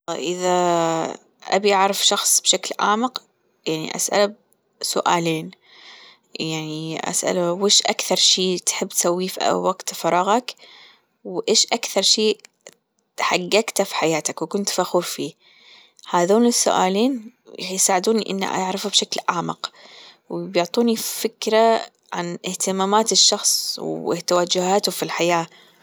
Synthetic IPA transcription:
ʔɪða | ʔa̰biʔaʕɾˤɪfʃɑxsˤbʃaklʕa̰ːmɪq | jaʕnḭʔa̰sʔa̰lab | sʊ̰ʔaːleːn | jaʕniʔa̰sʔa̰laweːʃʔakθɑɾˤʃiːt̪ħɪbːt̪sawːifʔa̰waɡt̪fɑɾˤɑːɣɑk | wʔeːʃʔakθɑɾˤʃiː | ħaɡːakt̪afi̥ħajaːt̪akwɪkʊnt̪faxuːɾfiː | haðuːnɪsːʊ̰ʔa̰ːliːn | jsaːʕɪd̪uːniʔɪ̰nːa̰ʔa̰ʕɾɪfabʃaklʕaːmɪ̰q | wbjʊʕt̪ˤuːnifɪkɾa | ʕanʔɪht̪ɪmaːmaːt̪ɪʃːɑxsˤwɪ̰t̪awad͡ʒːʊhaːt̪ʊfilħajaː

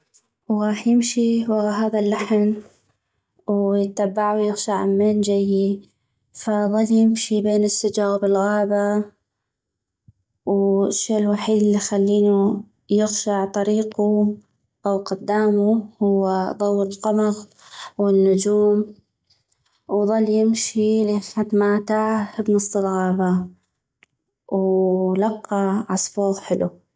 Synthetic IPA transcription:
wɣɑːħjɪmʃiwɦaːðalːaħn | wjɪt̪ːabːaʕuwjɪɣʃaʕmend͡ʒajːi | faðˤɑljɪmʃibeːnɪsːad͡ʒaːɣbɪlɣaːba | wʃːeːʔɪlwaħiːd̪ɪlːixalːiːnu | jɪɣʃaʕt̪ˤɑɾiːqu | ʔawqʊd̪ːaːmuhʊwːaðˤɑwːɪlqɑmɑɣ | wɪnːʊd͡ʒuːm | wðˤɑlːjɪmʃiliħat̪maːt̪aʕbnɨsˤːɨlɣaːba | wlɑqːɑʕɑsˤfoːðˤħɪlu

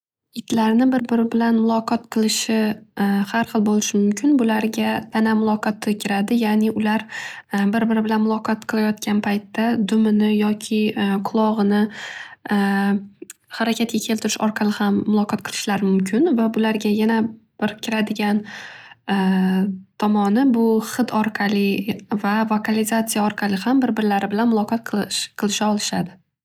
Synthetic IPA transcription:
ɪt̪ʰlaɾnɪbɪɾbɪɾɪbɪlanmʊlˠɒqʰɒt̪qʰɨlˠɪʃɪhaɾχɨlˠbolɪʃɪmʊmkʲʰɪnbʊlaɾɡʲat̪ʰanamʊlˠɒqʰɒt̪ʰɪkʲʰɪɾad̪ɪjaːnɪʔʊlaɾbɪɾbɪɾɪbɪlanmʊlˠɒqʰɒt̪qʰɨlˠajɒt̪kʲanpʰajt̪ʰːad̪ʊmɪnɪjɒkʲʰɪqʰʊlˠɒʁɨnɪ | haɾakʲat̪̚kʲakʲʰelt̪ɪɾɪʃɒɾqʰɑlɪhamːʊlˠɒqʰɒt̪̚qʰɨlˠɪ̥ʃlaɾmʊmkʲʰɪnvabʊlaɾɡʲajanab̥ɪɾkʲʰɪɾad̪ɪɡʲan | t̪ʰɒmɒnɪbʊχɨt̪ʰɒɾqʰɑlɪvavokʰalɪzat̪sijaɒɾqʰɑlɪhambɪɾbɪɾlaɾɪbɪlanmʊlˠɒqʰɒt̪̚qʰʃqʰɨlˠɪʃaɒlˠɪʃad̪ɪ

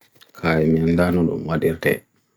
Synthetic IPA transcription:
kʰajmindanɔɗṵmwaɗiɾtɛ̰

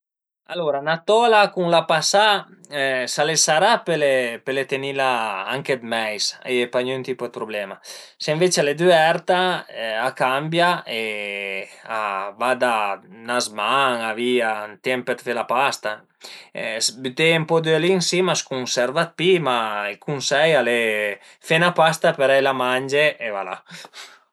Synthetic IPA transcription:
a̰loɾanat̪ɔlakuŋlapasa | salesaɾapelepelet̪enilaaŋked̪mɛjsepaɲynt̪ipod̪epɾoblɛmaseɱvet͡ʃealed̪yɛɾt̪aakambjae | a̰vad̪anazmaŋaviat̪ɛmpet̪felapast̪a | ɛsbyt̪eempod̪ølinsimaskunsɛɾvat̪̚pimaelkunsɛjale | fenapast̪apeɾajlamand͡ʒeʔevala̰

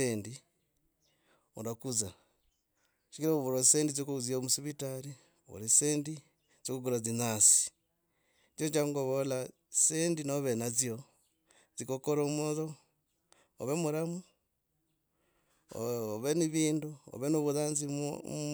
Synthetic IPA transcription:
eːndi | ṵndakuza | ʃi̥kiɾauβuɾoiseːndizokuuziomusiβitaɾi | o̰ɾiseːndi | zokuɡuɾazinasi̥ | t͡ʃot͡ʃaŋɡoβola | sendinoβenazio | zikokoɾomoðo | oβemuɾamu | oβeniβiːnduo̰βenuβuðaːnzimo̰

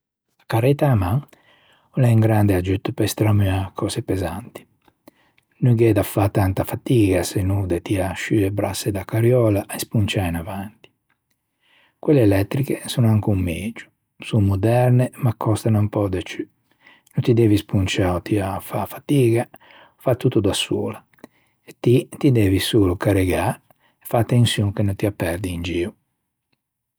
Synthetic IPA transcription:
akaɾɛt̪amaŋ | ulɛiŋɡɾand̪ead͡ʒyt̪ːpɛst̪ɾamyakʰɔːsepɛzant̪i̥ | nuɡɛd̪afːat̪ant̪afat̪iːɡasenud̪et̪iaʃyebɾasːed̪akːaɾjɔːlaʔɛspunt͡ʃainavant̪i̥ | kwɛlːeːlɛt̪ːɾikesunoaŋkumːeːd͡ʒu̥ | sumud̪ɛɾnemakʰːɔst̪anampɔd̪ɛt͡ʃy | nont̪id̪ɛːvispunt͡ʃaːot̪iafafat̪iːɡa | fat̪ːut̪ːud̪asṵːla | ɛt̪ːit̪id̪ɛːvisuːlukaɾeɡa | ɛfat̪ːensjuŋkenont̪iapːɛɾd̪iːnd͡ʒiːu

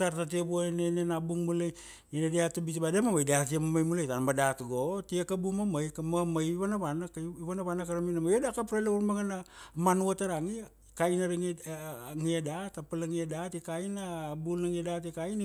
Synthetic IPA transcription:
taɾtat̬iebuanenenabuŋmulaj | enadiatabitibademamajdat̬iamamajmulajtanmadatɡotiakabumamajkamamajβanaβanakiβanaβanakaɾaminamajedakapɾaleuɾmaɡanamanuataɾaŋi | kainaɾiŋ | ŋiadatapalaŋiadatikainabulaŋiadatikain

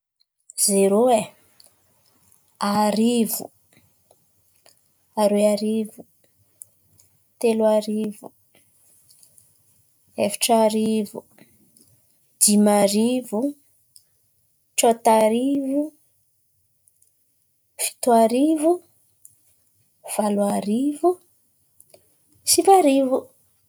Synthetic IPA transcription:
z̥eɾoe | aɾivṵ | aɾeaɾivu | t̪eluaɾivu | efi̥ʈ͡ʂaɾivu | d̪̥imaɾivu | ʈ͡ʂot̪aɾivu | fi̥t̪uaɾivu | v̥aluaɾivu | sivaɾivu

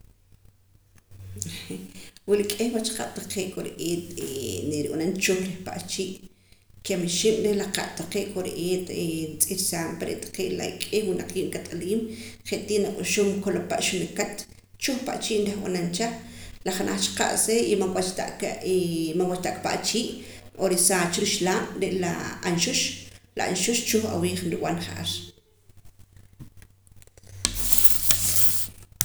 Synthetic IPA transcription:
wilikʼehwat͡ʃqa̰ɓ̥t̪aqeːʔkʼoɾeʔeːt̪eneɾianant͡ʃoχɾehpa̰ʔt͡ʃiːʔ | kemeʃiːm̥ɾehlaqa̰ʔt̪aqeːʔkʼoɾeʔeːt̪ent͡sʼiɾsaːmpaɾḛʔt̪ḁqeːʔla̰ikʼehwinaq͡χiːʔnkat̪ʼaliːmχeʔt̪iːʔnakʼuʃoːmkolopaʔʃunekat̪ | t͡ʃuχpa̰ʔt͡ʃiːʔnɾeχwa̰nant͡ʃaχlaχanʔa̰χt͡ʃqa̰ʔseimawat͡ʃt̪aʔ | maŋwat͡ʃt̪aʔkʼpa̰ʔt͡ʃiːʔ | ʔoɾisaːt͡ʃɾiʃlaːmɾeʔlaanʃuʃla̰a̰nʃuʃt͡ʃuχa̰wiːχnɾuɓ̰anχaʔa̰ɾ

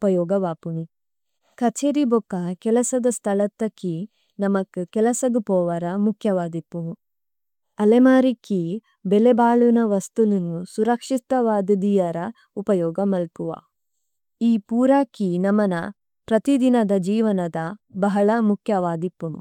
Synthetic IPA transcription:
upɐjɔːɡɐʋaːpuni | kɐt͡ʃeːɾibɔkːɐkɛlɐsɐd̪ɐst̪ʰɐlɐt̪ːɐkːi | nɐmɐkːukɛlɐsɐɡupɔːʋɐɾɐmukʰjɐʋaːd̪ipːuu | ɐlemaːɾikːi | belebaːɭunɐʋɐst̪ulunusuɾɐkʂist̪ɐʋaːd̪id̪ijɐɾɐ | upɐjɔːɡɐmɐlpuʋa̰ː | iːpuːɾaːkːinɐmːɐnɐ | pɾɐt̪id̪inɐd̪ɐd͡ʒiːʋɐnɐd̪ɐbɐɦɐɭɐmukʰjɐʋaːd̪ipːunṵ

